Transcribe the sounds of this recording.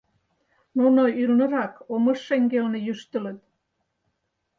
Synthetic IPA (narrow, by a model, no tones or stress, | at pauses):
nunoylnə̆ɾɑkomə̆ʃːeŋɡeonejyʃt̪ə̆lə̆t̪̚